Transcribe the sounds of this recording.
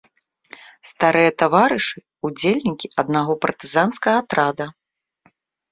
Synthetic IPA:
st̪aɾɨjɐt̪avaɾɨʂɨ | ud͡zʲelʲnʲikʲiɐd̪̚naɣɔpɐrt̪ɨzanskɐɣɐt̪ɾad̪ɐ

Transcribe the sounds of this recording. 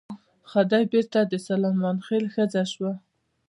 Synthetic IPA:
xad̪ajbeɾt̪ad̪əsalɑmɑnxelxəd͡zaʃwa

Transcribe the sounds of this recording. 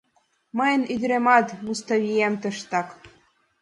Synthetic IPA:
mɤ̆jə̆nyd̪ɾemɑt̪must̪ɑβʲijemt̪ɤ̆ʃt̪ɑk

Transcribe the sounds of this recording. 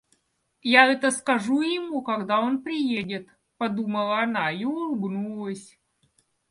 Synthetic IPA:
jaɛt̪əskɐʐujɪmukɐɡd̪ao̞npɾʲɪjedʲɪt̪ | pɐd̪uməlˠəːnaiʊlˠʊbnulˠəsʲ

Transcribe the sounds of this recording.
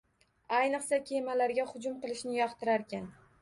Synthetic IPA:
ajnɨqsakʲʰe̞malaɾɡʲahʊd͡ʒʊmqɨlˠɪʃnɪjɒqt̪ʰɪɾaɾkʲʰan

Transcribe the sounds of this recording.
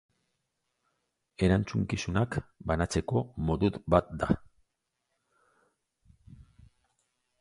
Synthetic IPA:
e̞ɾant͡suŋkisunakbanat͡se̞ko̞mo̞ðuðbat̪̚d̪a̰

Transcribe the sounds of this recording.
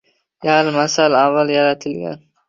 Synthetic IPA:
jaɾmasalavːaljaɾat̪ʰɪlɡʲa̰n

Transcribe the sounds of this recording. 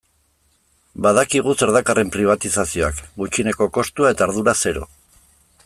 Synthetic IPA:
baðakiɣ̞use̞ɾðakare̞mpɾiβ̞at̪isasio̞akɡut͡ʃine̞ko̞ko̞st̪uae̞t̪aːɾðuɾase̞ɾo̞̰

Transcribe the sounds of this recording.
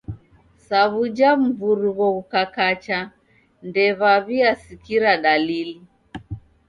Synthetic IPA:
saβud͡ʒam̩vuɾuɣɔukakat͡ʃa | ndɛβaβiasikiɾaɗalili

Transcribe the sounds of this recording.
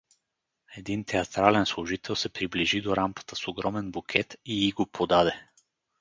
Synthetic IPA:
ɛd̪int̪ɛat̪ɾalɛnslˠʊʒit̪ʰɛlˠsɛpɾibliʒid̪oɾamkə̥t̪əsoɡɾɔmɛnbukʰɛt̪iiɡopʰod̪ad̪ɛ

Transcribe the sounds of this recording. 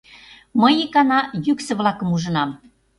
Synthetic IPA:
məjikɑnɑjyksə̆βlɑkə̆muʒə̆nɑm

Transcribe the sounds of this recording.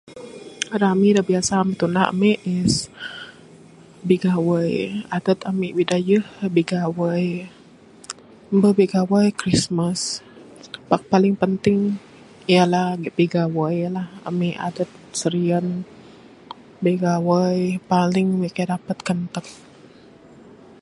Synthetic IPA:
ɾamidabiasamit̪unaə̰mɛʔɪs | biɡawəjadət̪amiʔwidajəhbiɡawəj | mbəbeiɡawajkɾismas | bak̚palɪŋpənt̪ɪŋ | ijalahɡʔbiɡawəjlaha̰miʔa̰dət̪̚səɾiən | beɡawəjpalɪŋwekadapət̪̚kənt̪ət̚

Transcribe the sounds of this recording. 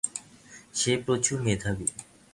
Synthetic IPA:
ɕeːpot͡ɕʰuŋ̥et̪ʰae

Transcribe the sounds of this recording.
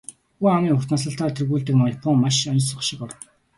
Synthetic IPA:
uːamiːŋʊrt̪naːsə̆ɬt̪aːt̪ʰerɣuːɮt̪ɘ̆kmɔjapʰɔŋmaʃɔnsɔ̆χʃɪ̆kɔr

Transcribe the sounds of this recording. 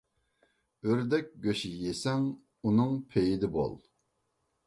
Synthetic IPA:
øɾd̪ɛk̚ʲɡʲøʃijesɛŋ | unɨŋpʰejid̪ɪbo̰lˠ

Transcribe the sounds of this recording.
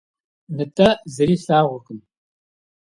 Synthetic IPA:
nɨtʰʼɐzɨɾiːɬaːʁʷʊqʼɨn

